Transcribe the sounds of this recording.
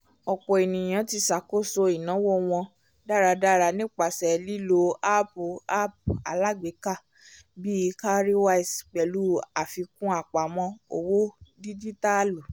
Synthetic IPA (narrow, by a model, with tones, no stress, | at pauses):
ɔ˨k͡pɔ˨e˨nĩ˨j̃ã˨˦ti˧sa˨ko˦so˧i˨nã˨˦wo˦˨w̃ɔ̃˧ | da˦˨ɾa˧da˦˨ɾa˧nĩ˦k͡pa˨sɛ˨li˦lo˨˦a˦pu˨a˦p̚a˨la˦ɡ͡be˨˦ka˦˨ | bi˦˧ka˦ɾi˦wa˦i˨sk͡pɛ˨lu˦a˨fi˧kũ˦a˦˨k͡pa˨mɔ̃˧o̰˨wo˦di˦d͡ʒi˦ta˦lu˨